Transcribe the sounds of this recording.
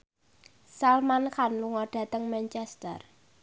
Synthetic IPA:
salmankanluŋɔɖ̥ä̤t̪əŋmɛnt͡ʃɛst̪ə̰r

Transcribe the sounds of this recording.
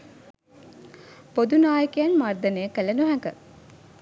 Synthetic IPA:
pod̪unaːjəkejanmard̪ənejəkələnuɦæŋɡə

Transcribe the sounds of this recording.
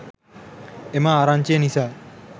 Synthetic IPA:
emaːɾant͡ʃenisa

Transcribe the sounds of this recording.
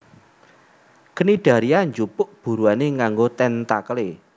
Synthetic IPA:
kəniɖ̥a̤ɾiaɲd͡ʒupʊʔb̥ṳɾuaneŋaŋɡot̪ɛnt̪akəle

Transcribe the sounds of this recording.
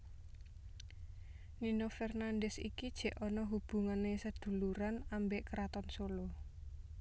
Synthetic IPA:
ninɔfɛrnand̪ɛsḭkid̥ʒ̥ɛ̤ʔɔnɔɦub̥ṳŋanesəd̪̥ṳluɾanambeʔkəɾat̪ɔnsolo

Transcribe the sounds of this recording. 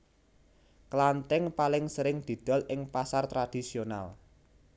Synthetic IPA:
kəlant̪ɛŋpalɪŋsəɾɪŋd̪̥i̤d̪̥ɔ̤lʔɪŋpasart̪ɾad̪̥i̤siona̰l

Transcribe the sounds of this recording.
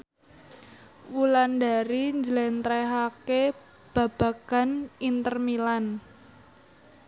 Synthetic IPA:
wulandaɾiɲd͡ʒlɛnt̪ɾɛɦake | b̥a̤b̥a̤ka̤nint̪ərmilan

